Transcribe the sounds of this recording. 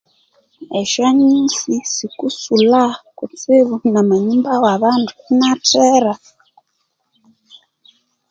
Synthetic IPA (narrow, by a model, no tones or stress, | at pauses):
eʃaɲinsisikusulakut͡siβunamaɲumbawaβanduunatʰeɾa